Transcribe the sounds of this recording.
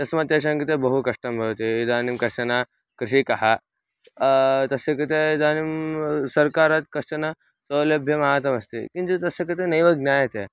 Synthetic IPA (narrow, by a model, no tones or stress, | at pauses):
t̪ɐsmat̪jaʃ̬ɐŋkit̪ebɐɦukɐʂʈɐmbʱɐʋt̪iid̪aːnimkɐɐna | kɾiʃikɐɦa | t̪ɐsekit̪eid̪aːnimsɐɾkaːɾaːt̪kɐʂɐna | sɐlɐbʱjɐmɐɦaːt̪ɐmɐst̪ḭkint̪ut̪ɐsekɐt̪enɐjʋɐɡnaːjɐt̪e